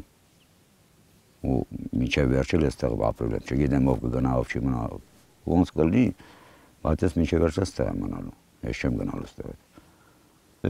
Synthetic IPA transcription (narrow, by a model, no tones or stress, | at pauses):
umint͡ʃʰɛvɛɾt͡ʃʰɛlɛst̪ʰɛɣba̰pʼɾɔblɛ̰mt͡ʃʰɛɡid̪ɛmɔvɡəɡənaɔft͡ʃʰiməna | ɔnskʼəlni | bat̪ʼɛsmit͡ʃʰɛvɛɾt͡ʃʰɛst̪ʰʼɛɣɛ̰mənalu | ɛ̰ʃt͡ʃʰɛmɡənalust̪ʰʼɛɣɛ̰t̪